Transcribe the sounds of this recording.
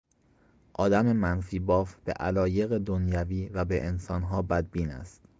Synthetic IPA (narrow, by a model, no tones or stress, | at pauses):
ʔɒːd̪æme̞mænfiːbɒːfb̥e̞̰ʔælɒːje̞ɣed̪onjæviːvæbeʔensɒːnɦɒːbæd̪̚biːnæ̰st̪